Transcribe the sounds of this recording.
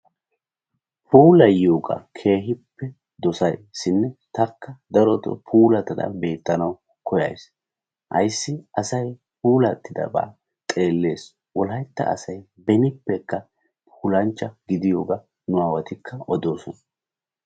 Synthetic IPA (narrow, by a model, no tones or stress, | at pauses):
puːlɐjjoːɡɐ̰kʰe̞ːɦɪpːɛ | d̪ɔsɐjsɪnːɛt̪ɐkːɐd̪ɐɾɔt̪ɔ̰pʰuːlɐt̪ɐd̪ɐ̰be̞ːt̪ːɐnɐw | kʰɔjɐ̰js | hɐ̰jsːɪɐsɐj | puːlɐt̪ːɪd̪ɐ̰ba̰ː | t̪ʼe̞ːlːe̞ːs | wɔlɦɐjt̪ːɐ̰ːsɐj | bɛnɪpːɛkːɐ | pʰuːlɐnt͡ʃːɐɡɪd̪ɪjoːɡɐ | nʊaːwɐt̪ɪkʰːɐʔɔd̪o̞ːsɔnɐ